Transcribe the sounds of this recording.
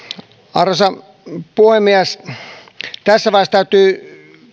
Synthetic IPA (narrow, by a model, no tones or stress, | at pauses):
ɑrɑsɑ | puhemːiæs | t̪æsːæʋɑˑest̪æyt̪ˑyː